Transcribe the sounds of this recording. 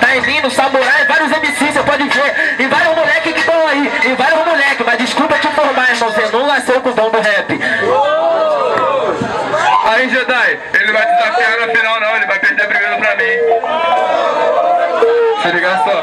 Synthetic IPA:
t̪aivĩd̪ʊsamoɾaɪ̃vaɾjʊzemisisepɔd͡ʒɪveɾɪvaɾjʊzmuʎɛkɪkɪt̪ɐ̃w̃aiɪvaɾjʊzmuʎɛkɪmɐzd͡ʒɪskupɐt͡ʃɪ̃foɾmamɐ̃w̃senɐ̃w̃lasewkõd̪õw̃d̪ʊɦɛpɪ | aiʒẽd̪aj | elɪvajsɪzakanʊafinawnɐ̃w̃elɪvajpeɾd̪ebɾiɡɐ̃d̪ʊpɾɐmĩj̃ | seliɡasõ

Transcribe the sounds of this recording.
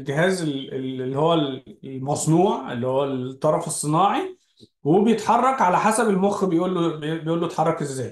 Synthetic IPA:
lɡeɦæːzeleːihowːælmɑsˤnuːʕḛlːihowːæt̪ˤːɑɾˤɑfesˤːenɑːʕi | webejet̪ħɑrˤːɑkʕalæħasæbelmoxbejʔuːlːobejʔuːlːoet̪ħɑrˤːɑkʔezːæːj

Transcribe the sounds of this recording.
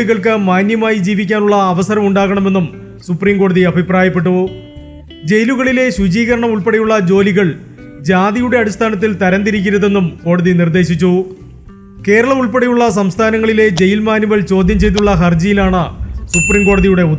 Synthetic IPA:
iɣɐɭkɨmaːnjɐmaːjid͡ʑiːʋikʲːaːnuɭːɐːʋɐsɐɾɐmuɳɖaːɣɐɳɐme̞nːum | supriːmko̞ːɽɐðiɐbʱipraːjɐpːe̞ʈ̬ːu | d͡ʑe̞jluɣɐɭile̞ɕud͡ʑiːɣɐɾɐɳɐmuɭpɐɽɐjuɭːɐd͡ʑo̞ːliɣɐɭ | d͡ʑaːðijuɽe̞ɐɽist̪ʰaːnɐt̪ːilt̪ɐɾɐnd̪iɾikʲːiɾɐðe̞nːumko̞ːɽɐðinird̪e̞ːɕit͡ɕːu | ke̞ːɾɐɭɐmuɭpɐɽɐjuɭːɐs̬ɐmst̪ʰaːnɐŋːɐɭile̞d͡ʑe̞jilmaːnjuɣɐɭt͡ɕo̞ːd̪ʱjɐmt͡ɕe̞jt̪̬uɭːɐɦɐrd͡ʑijilaːɳɨsupriːmko̞ːɽɐðijuɽe̞u

